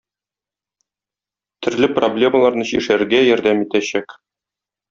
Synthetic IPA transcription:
t̪ʰɵ̆ɾlɘproblʲe̞məlˠɑɾnɤɕḭʃæɾɡæjɒɾd̪æmit̪æɕæk

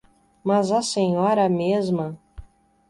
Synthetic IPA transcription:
mɐzɐsẽɲɔɾɐmezmɐ

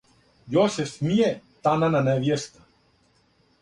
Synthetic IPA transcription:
jɔsɛfmijɛt̪anananɛvjɛst̪ḁ

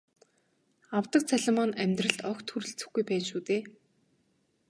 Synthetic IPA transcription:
awt̪ə̆k̚t͡sʰæɮɪ̆mɔnæmʲt̪rə̆ɬt̪ɔxt̪ʰuɾɘ̆ɬt͡sɵ̥̆xɡujpæːnʃuːt̪eː

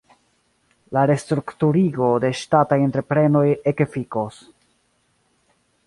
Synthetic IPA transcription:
laɾe̞stɾuktuɾiɡo̞de̞ʃtatajentɾe̞pɾe̞no̞jekefikos

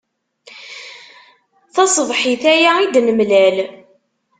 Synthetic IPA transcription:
θɑsˤvˤħiθæjaid̪nəmlæl

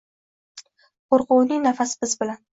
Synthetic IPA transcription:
qoɾqʊwnɪŋnafasɪbɪzbɪlan

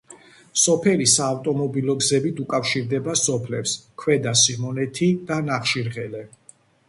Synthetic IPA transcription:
sɔpʰɛlisaːft̪ʼɔmɔbilɔɡzɛbit̪ʰukʼafʃiɾd̪ɛbasɔpʰlɛpskʰwɛd̪asimɔnɛt̪ʰid̪̥anaχʃiɾʁɛlɛ

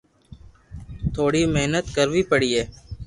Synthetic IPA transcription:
t̪ʰoːɽiːmeɦnət̪kəɾʋiːpəɽiːɦeː

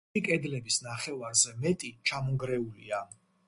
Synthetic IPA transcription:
ikʼɛd̪lɛbisnaχɛvaɾzɛmɛt̪ʼit͡ʃʰamɔŋɡɾɛulia

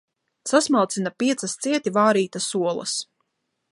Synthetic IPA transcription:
sasmalˠt̪sinapiɛt̪sast̪siɛt̪ivaːɾiːt̪asuɔlˠɐ̰s

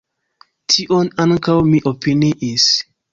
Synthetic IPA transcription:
tʰiʔonaŋkawmiʔopiniʔis

